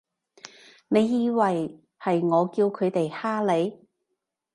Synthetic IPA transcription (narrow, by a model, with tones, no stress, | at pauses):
ne˨˧jːiː˧wɐ˨j | hɐ˨jŋɔː˨˧kiː˧wkʰɵ˨˧ɥt̪e˨jhaː˥le˨˧j